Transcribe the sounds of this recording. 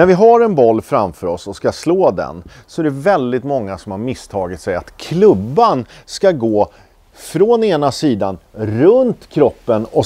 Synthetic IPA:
næɾvɪɦaɾɛnbɔlːfɾamfœɾɔsɔskasloːd̪ɛ̰n | sɔæɖɛvɛld̪ɪt̪mɔŋːasɔmhaɾmɪst̪ʰɑːɡɪt̪sɛja̰t̪kʰlɵbːanskaɡoː | fɾoneːnasiːd̪anɾɵnt̪kʰɾɔpːənɔ

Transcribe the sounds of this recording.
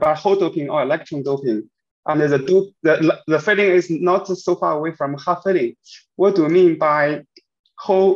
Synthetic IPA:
baɪhoʊdoʊpɪ̃ŋə˞ɪlɛk̚tʰɹə̃ndoʊpɪ̃ŋ | ʔə̃nðədoðəðəfɪɾɪ̃ŋɪznətsoʊfɑɹəweɪfɹə̃mhafɪɾɪ̃ŋ | wʌt̚d̥əwimĩnbaɪ | hoʊ

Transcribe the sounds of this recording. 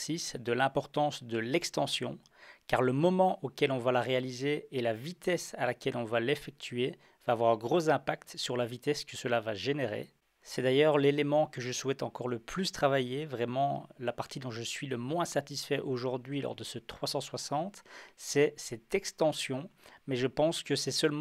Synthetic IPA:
sisd̪əlɛ̃pɔʁt̪ɑ̃sd̪əlɛkst̪ɑ̃sjɔ̰̃ | kaʁləmɔmɑ̃ʔokʲɛlɔ̃valaʁealizeːlavit̪ɛsalakʲɛlɔ̃valefɛk̚t̪ʰɥe | vaːvwaʁ̃ɡʁozɛ̃pak̚t̪syʁlavit̪ɛskəsəlavaʒeneʁḛ | sɛd̪ajœʁlelemɑ̃kəʒəswɛt̪ɑ̃kɔʁləplyst̪χavajevʁɛmɑ̃lapaʁt̪id̪ɔ̃ʒəsɥiləmwɛ̃sat̪isfɛʔoʒuʁd̪ɥilɔ̰ʁd̪əsət̪χwasɑ̃swasɑ̃t̪sɛsɛt̪ɛkst̪ɑ̃sjɔ̃mɛʒəpɑ̃skəsɛsəlm

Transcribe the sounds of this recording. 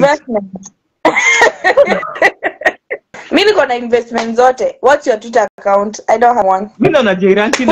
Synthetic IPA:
vɛstmɛnt | minikɔnainvɛstmɛ̃ntzɔtɛwɔtjatit̬anakawntajdɔ̃nthawɔ̃nminɔnad͡ʒɛiɾankin

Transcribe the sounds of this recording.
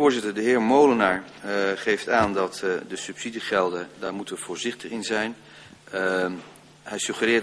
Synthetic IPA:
ʊːɹzɪtəɹdəɦɪːɹmowlənaɹ | χejftaːndɑtdəsʉpsidiχɛlˠdədaːɹmutəv̥ʊːɹzɪχtəχɪnzɛjn | ɦɛjsɵχərɪː

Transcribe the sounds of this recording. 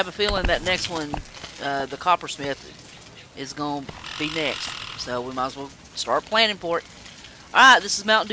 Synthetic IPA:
ɨvəfilˠɪ̃ŋðɨtⁿnɛkst̚wʌ̃nʌðɨkʰɑpə˞smɪθ | ʔɪzɡob̥inɛkst̚soʊwimaswilˠ | stɑɹt̚pʰl̥æ̃ñɪ̃ŋpɔɹt̚ | ɑɹaɪt̪̚ðɪsɨzmãʊ̃n̩

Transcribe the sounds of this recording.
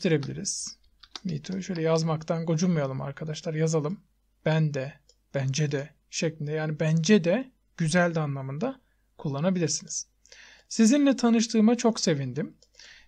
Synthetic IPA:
t̪ʰeɾe̞bilʲḭɾiz̥ | mḭt̪ʰuʃøjlʲɛjazmakt̪ʰanɡod͡ʒunmajalˠɯma̰ɾkʰad̪aʃlˠaɾjazalˠɯm | b̥ænd̪ɛ | b̥ænd͡ʒɛd̪ɛ | ʃeclʲind̪ɛjaːnibænd͡ʒɛd̪ɛ | ɟ̥yzælʲd̪anlˠamɯnd̪a | kʰulˠːanabilʲiɾsiniz̥ | sizinlʲɛt̪ʰanɯʃ̬t̪ʰɯːmat͡ʃʰo̞kse̞vind̪im

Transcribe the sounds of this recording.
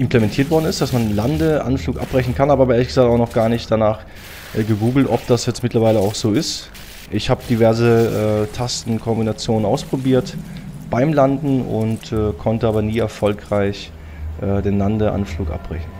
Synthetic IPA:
ʔɪmplɛmɛntʰiːɐtv̥ɔɐdn̩ɪstd̥asmanlandəʔa̰nfluːkʔa̰p̚bʁɛçn̩kʰanʔaːbɐːbɐeːɐlɪçɡ̥əzaːk̚taʊxnɔχɡ̥aːɐnɪçtd̥anaːχ | ʔɛɡəɡuːɡl̩tʔɔ̰p̚d̥asjɛt͡stmɪtlɐvaɪləaʊxz̥oːɪst | ʔɪçhaːbəd̥ivɛɐzəʔɛːtʰastn̩kʰɔmbinat͡sjoːnənaʊspʁ̥obiːɐtb̥aɪmlandn̩ʊ̰ntɛːkʰɔntəʔaːbɐniːɛɐfɔlkʁ̥aɪç | ʔɛːdeːnlandəʔa̰nfluːkʔa̰p̚b̥ʁɛ̰çn̩

